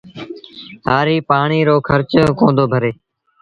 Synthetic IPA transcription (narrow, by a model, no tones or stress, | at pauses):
haːɾiːpaːɳiːɾoːkʰəɾt͡ʃkõːnd̪oːbʱəɾeː